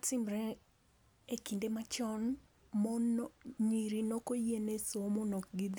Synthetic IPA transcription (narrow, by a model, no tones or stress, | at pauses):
tɪmɾɛ | ekindemat͡ʃɔn | mɔɲiɾinɔkojenesomɔnɔkɡid̪